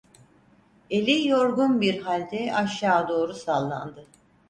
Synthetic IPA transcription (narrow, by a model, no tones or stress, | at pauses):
elʲijo̞ɾɡunbiɾɦalʲd̪ɛaʃjaːd̪o̞ːɾusalˠːa̰nd̪ɯ